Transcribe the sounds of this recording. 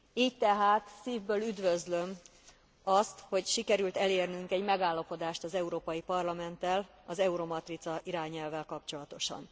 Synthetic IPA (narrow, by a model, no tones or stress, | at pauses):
iːct̪ɛɦaːt̪siːvbøːlyd̪vøzlø̞m | ɒst̪ho̞cʃikɛɾylt̪ɛleːrnyŋkɛɟmɛɡaːlːɒpo̞d̪aːʃt̪ɒzɛuɾoːpɒjipɒrlɒmɛnt̪ɛl | ɒzɛuɾo̞mɒt̪rit̪sɒʔiɾaːɲɛlvɛlkɒpt͡ʃo̞lɒt̪o̞ʃɒ̰n